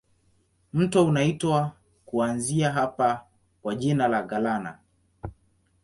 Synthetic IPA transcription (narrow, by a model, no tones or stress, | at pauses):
m̩tɔunaitwa | kuanziaɦapa | kwaʄinalaɡalana̰